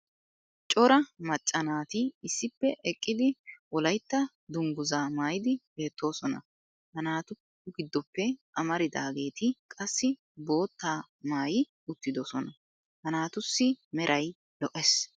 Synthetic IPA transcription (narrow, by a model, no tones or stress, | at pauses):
t͡ʃʼɔɾɐmɐt͡ʃʼːɐnaːt̪ɪɪsːɪpːɛʔɛkʼːɪd̪ɪwɔlɐjt̪ːɐ | d̪ʊŋɡʊzaːmaːjɪd̪ɪbe̞ːt̪ːo̞ːsɔnɐ̰ | hɐnaːt̪ʊ | ɡɪd̪ːɔpːɛʔɐmɐɾɪd̪aːɡe̞ːt̪ɪkʼɐsːɪ | bo̞ːt̪ːaː | maːjɪ | ʊt̪ːɪd̪ɔsɔnɐ | hɐnaːt̪ʊsːɪmɛɾʔɐj | lɔʔɛs